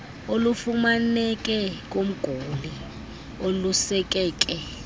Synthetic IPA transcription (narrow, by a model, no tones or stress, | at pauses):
olufumanɛkʼɛk̬ʼom̩ɡ̥ʱuli | olusɛk̬ʼɛːk̬ʼɛ